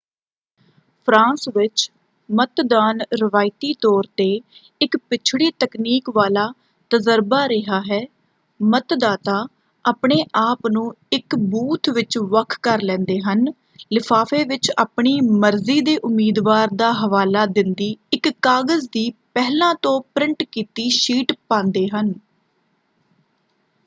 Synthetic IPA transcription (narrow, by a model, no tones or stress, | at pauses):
pʰɾãːsʋɪt͡ʃ | mət̪d̪aːnɾəʋaːɪt̪iːt̪ɔːɾt̪eː | ɪkpɪt͡ʃʰɽiːt̪əkniːkʋaːlaː | t̪əzəɾbaːɾɪɦaːɦɛː | mət̪d̪aːt̪aː | aːpɳeːʔaːpnũː | ɪkbuːt̪ʰʋɪt͡ʃʋəkʰkəɾlɛ̃ːnd̪eːɦən | lɪpʰaːfʰeːʋɪt͡ʃa̰ːpɳiːməɾziːd̪eːʔʊmːiːd̪ʋaːɾd̪aːɦəʋaːlaːd̪ɪnd̪iːɪkːaːɡəzd̪iːpɛɦlãːt̪õːpɾɪɳʈkiːt̪iːʃiːʈpãːnd̪eːɦən